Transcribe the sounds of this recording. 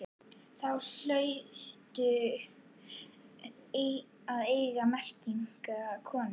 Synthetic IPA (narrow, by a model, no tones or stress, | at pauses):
θawl̥œɥt̪ʏ | e | aðejɣamɛr̥ciŋkakʰɔːn